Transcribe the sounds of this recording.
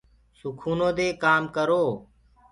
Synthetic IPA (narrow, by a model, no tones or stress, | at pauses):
sʊkʰuːnõːd̪eːkaːmkəɾoː